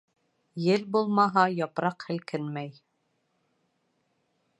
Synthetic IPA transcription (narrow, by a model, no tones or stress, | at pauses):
jɘlbulˠmɑɦɑjɑpɾɑqhɘ̆lkɘnmæj